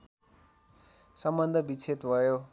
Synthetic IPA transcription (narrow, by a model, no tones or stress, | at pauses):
sʌmbʌnd̪ʱʌbit͡sʰet̪bʱʌjo